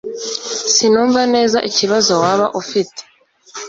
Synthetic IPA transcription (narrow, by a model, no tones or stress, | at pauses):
sinuːɱvane̞ːzaʔiciβazo̞waβaʔufite̥